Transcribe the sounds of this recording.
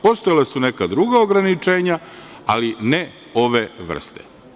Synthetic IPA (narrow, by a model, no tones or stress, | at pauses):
po̞st̪ojalesunekad̪ɾuɡaoɡɾanit͡ʃe̞ːɲa | aline | o̞ʋe̞ʋr̩̰st̪ḛ